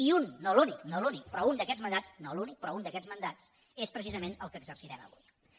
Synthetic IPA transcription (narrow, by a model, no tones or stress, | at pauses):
iunːoluniknolunik̚pɾɔund̪əkɛd͡zmənd̪at͡snolunik̚pɾɔund̪əkɛd͡zmənd̪at͡s | espɾəsizəmenəlˠkəːɡzərsiɾɛmə̰βṵj